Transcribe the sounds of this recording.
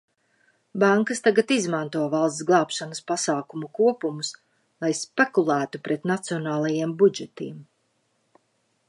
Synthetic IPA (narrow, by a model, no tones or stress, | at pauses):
baŋkast̪aɡat̪izmãnt̪uɔvalˠsɡlˠɑːpʃanəspasaːkumukuɔpumus | lˠajspekulˠæːt̪upɾɛt̪nat̪siɔnaːlˠajiɛmbud͡ʒɛt̪iɛm